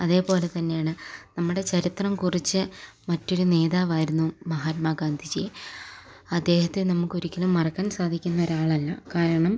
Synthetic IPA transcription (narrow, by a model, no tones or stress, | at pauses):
ɐðe̞ːpo̞ːle̞t̪ɐnːe̞jaːɳɨnɐmːuɽe̞t͡ɕɐɾit̪rɐmkurit͡ɕːɨ | mɐtːo̞ɾune̞ːðaːʋaːjiɾunːumɐɦaːt̚maɡaːnd̪ʱit͡ɕḛ | ɐd̪ːe̞ːhɐt̪ːenɐmukːo̞ɾikʲːɐlumːɐrɐkːaːnsaːd̪ʱikʲːunːɐo̞ɾaːɭɐlːɐ̰kaːɾɐɳɐm